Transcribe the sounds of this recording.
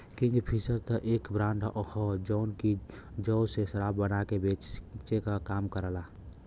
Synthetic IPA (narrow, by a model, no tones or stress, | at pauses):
kĩŋɡpʰisəɾt̪əʔekbɾãɳɖɔhɔd͡ʒɔnkid͡ʒɔwsesəɾabbənakebet͡ʃt͡ʃekakamkəɾəla